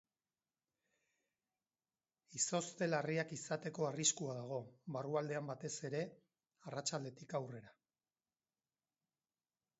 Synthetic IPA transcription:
iso̞st̪e̞lariakisat̪e̞ko̞ariskuaðaɣ̞o̞βaruald̪e̞ambat̪e̞se̞ɾe̞ | arat͡ʃald̪e̞t̪ikawre̞ɾa

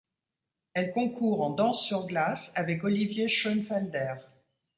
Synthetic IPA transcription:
ɛlkɔ̃kʰuːʁɑ̃d̪ɑ̃sːyʁɡlasavɛkɔlivjeʃɔnfɛld̪ɛʁ

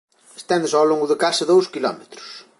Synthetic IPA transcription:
e̥st̪ɛnd̪ɪsawloŋɡʊðɐkasɐðowskilɔ̰met̪ɾʊ̥s

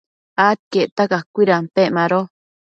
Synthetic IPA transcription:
at̪̚keʔt̪akakʷiɾampeʔmaɾo

